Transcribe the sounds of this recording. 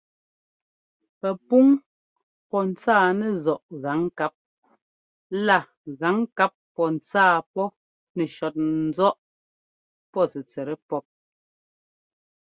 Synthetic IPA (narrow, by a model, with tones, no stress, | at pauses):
pɛ˨pu˦ŋ | pɔ˦n̩˨t͡saː˦˨nɛ˦˨zɔ˨ʔɣa˨˦ŋka˦p̚ | la˦˨ | ɣa˨˦ŋka˦pːɔ˦n̩˨t͡saː˦˨pɔ˦ | nɛ˨ʃɔ˨t̚n̩˨zɔ˦ʔ | pɔ˦˨sɛ˨t͡sɛ˨ɾɛ˦pɔ˦p̚